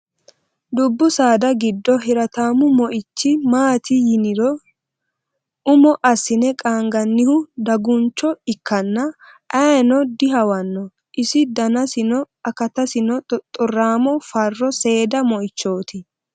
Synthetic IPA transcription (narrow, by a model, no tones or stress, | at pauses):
d̪ʊbːʊsaːd̪ɐɡɪd̪ːɔhɪɾɐt̪aːmʊmɔʔɪt͡ʃːɪmaːt̪ʰɪjɪnɪɾɔ | ʊmɔʔɐsːɪnɛkʼaːŋɡɐnːɪhʊd̪ɐɡʊnt͡ʃːɔɪkʰːɐnːɐ | ʔɐjnɔd̪ɪɦɐwɐnːɔ | ʔɪsɪd̪ɐnɐsɪnɔ | ɐkɐt̪ɐsɪnɔt̪ʼɔrːaːmɔfɐrːɔse̞ːd̪ɐmɔʔɪt͡ʃːo̞ːt̪ɪ